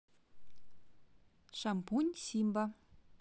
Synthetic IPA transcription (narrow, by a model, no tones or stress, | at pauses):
ʃampunʲsimba